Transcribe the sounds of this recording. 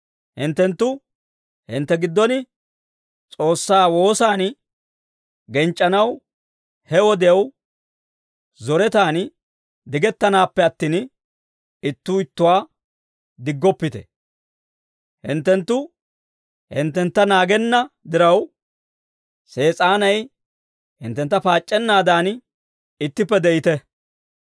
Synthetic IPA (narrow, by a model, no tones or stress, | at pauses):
hɪnt̪ːɛnt̪ːʊ | hɪ̰nt̪ːɛɡɪd̪ːɔnɪ | t͡sʼo̞ːsːaːwo̞ːsaːn | ɡɛnt͡ʃʼːɐnɐw | hɛwɔd̪ɛɐw | zɔɾɛt̪aːn | d̪ɪɡɛt̪ːɐnaːpːɛɐt̪ːiːn | ɪt̪ːuːɪt̪ːʊwaː | d̪ɪɡːɔpːɪt̪ɛ̰ | hɪ̰nt̪ːɛnt̪ːʊ | hɪ̰nt̪ːɛnt̪ːɐnaːɡɛnːɐd̪ɪɾɐw | se̞ːt͡sʼaːnɐj | hɪnt̪ːɛnt̪ːɐpaːt͡ʃʼːɛnːaːd̪aːn | ɪt̪ːɪpːɛd̪ɛjɪt̪ɛ